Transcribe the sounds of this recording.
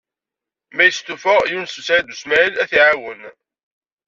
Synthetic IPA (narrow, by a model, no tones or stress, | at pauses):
mæjəst̪ːufəʁjunsəsaɾæd̪usmæjəlæθiʕawən